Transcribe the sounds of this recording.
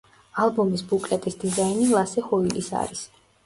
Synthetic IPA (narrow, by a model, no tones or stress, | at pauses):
alˠbɔmisbukʼlɛt̪ʼisd̪izainilˠasɛχɔilisa̰ɾis